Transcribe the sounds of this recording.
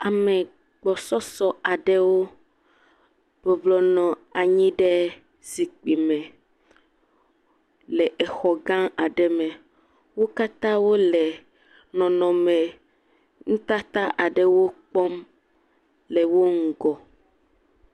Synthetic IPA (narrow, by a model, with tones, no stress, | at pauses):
a˨mɛ˨ | ɡ͡bɔ˨sɔ˦sɔ˦a˨ɖɛ˦wo˦ | b̥ɔ˨blɔ˨nɔ̃˨a˨ɲĩ˦ɖɛ˦ | zi˨k͡pi˨mɛ̃˨ | lɛ˨ʔɛ˨xɔ˨ɡã˦a˨ɖɛ˦mɛ̃˨ | wo˦ka˦t̪ã˦wo˦lɛ˨ | nɔ̃˨nɔ̃˨mɛ̃˨ | ŋũ˦t̪a˦t̪a˦ʔa˨ɖɛ˨wo˦k͡pɔ˦m | lɛ˨wo˦ŋ̩˨ɡɔ˨